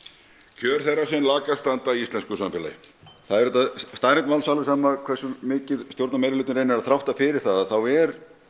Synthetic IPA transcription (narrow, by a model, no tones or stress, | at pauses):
cʰœːɾ̥θɛrːasɪnlaːkast̪ant̪aiist̪lɛnskʏsamfɛla̰jɪ | θaðɛɾɛt̪ːast̪aːjɾɛnt̪mawlsalvɪsaːmakʰvɛr̥sʏmːɪːcɪðst̪jowɾt̪namejɾɪlʏːt̪ɾeːjnɪɾaðθɾawht̪afɪɾɪ̥θaðaθawɛɾ